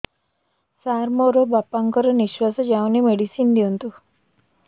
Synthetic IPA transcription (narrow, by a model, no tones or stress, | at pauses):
saɾmoɾobapaŋkɔɾɔniʃwasɔd͡ʒawnimeɽisind̪iunt̪u